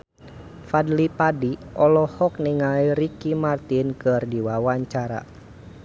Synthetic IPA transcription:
fadlipadiɔlɔhɔk̚niŋaiɾikimart̪inkɨrdiwawaɲt͡ʃaɾa̰

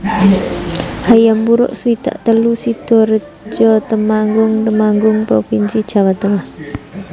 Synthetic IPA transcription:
hajambuɾʊ̰ʔsuwit̪a̰ʔt̪əlusid̪̥ɔ̤ɾə | d͡ʒɔt̪əmaŋɡʊŋt̪əmaŋɡʊŋpɾopinsid̥ʒ̥a̤wat̪əŋah

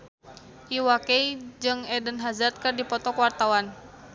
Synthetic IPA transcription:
ʔiwaked͡ʒɨŋɛdənɦazart̪̚kɨrdipɔt̪ɔkwart̪awan

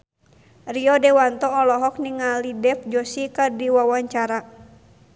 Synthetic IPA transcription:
riɔdɛwant̪ɔːlɔɦɔk̚niŋalidɛfd͡ʒɔsikadiwawaɲt͡ʃaɾa

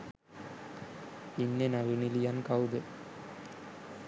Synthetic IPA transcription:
inːenaʋinilijankawd̪e

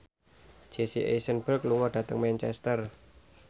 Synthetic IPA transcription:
d͡ʒ̥esiʔḛsənbərkluŋɔɖ̥ä̤t̪əŋmɛnt͡ʃɛ̰st̪ər

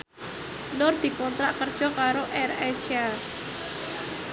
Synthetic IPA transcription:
nɔrd̪̥i̤kɔnt̪ɾaʔkərd̥ʒ̥ɔ̤kaɾoʔɛrɛsa

